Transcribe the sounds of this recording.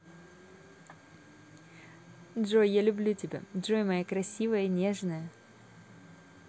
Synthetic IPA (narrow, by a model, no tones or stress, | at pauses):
dʐojjalʲʊblʲutʲɪbʲa̰dʐojmɐjakɾɐsʲivəjəinʲeʐnəjə